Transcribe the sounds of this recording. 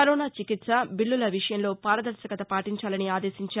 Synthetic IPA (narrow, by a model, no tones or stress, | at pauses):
ɐɾoːnaːt͡ʃikit̪sɐbiɭːulɐʋiʂɐjɐmlo̞ːpaːɾɐd̪ɐɾsɐkɐt̪ɐpaːʈiɲt͡ʃaːlɐniaːd̪e̞ːsiɲt͡ʃaː